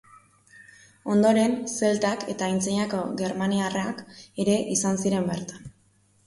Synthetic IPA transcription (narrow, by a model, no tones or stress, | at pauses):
o̞nd̪o̞ɾe̞nse̞lt̪ake̞̰t̪aint͡seɲako̞ɣe̞ɾmaniarake̞ɾe̞ʔisansiɾe̞mbe̞ɾt̪an